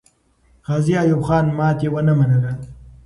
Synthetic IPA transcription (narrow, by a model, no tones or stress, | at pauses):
ɣɑːziajubχɑːnmɑːt̪ewənamanəla